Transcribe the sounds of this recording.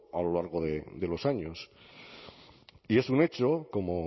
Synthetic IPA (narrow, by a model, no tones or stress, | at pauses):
alolaɾɣ̞o̞ðed̪e̞lo̞saɲos | ie̞sune̞t͡ʃoko̞mo